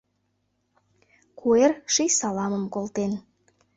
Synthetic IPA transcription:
kʰuerʃijsɑlɑmə̆mkolˠt̪en

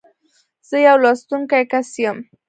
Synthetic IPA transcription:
z̥əjawlɑst̪uŋkajkasjəm

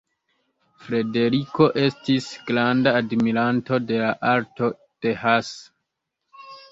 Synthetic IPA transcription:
fɾe̞de̞ɾiko̞ʔe̞stisɡ̥ɾandaːdmiɾanto̞de̞laʔaɾto̞ | d̥e̞has

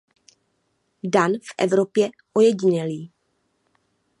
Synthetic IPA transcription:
danfʔɛ̰vɾo̞pjɛ | ʔojɛɟɪɲɛliː

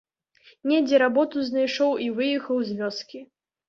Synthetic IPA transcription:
nʲɛd͡zʲɛɾabɔt̪uzʲnajʂɔwivɨjɛxɐwzʲvʲɔskʲi

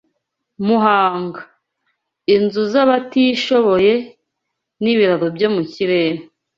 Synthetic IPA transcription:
muɦaːŋɡa | inzuzaβatiʃo̞βo̞je̞ | niβiɾaɾobjo̞muciɾeːɾo

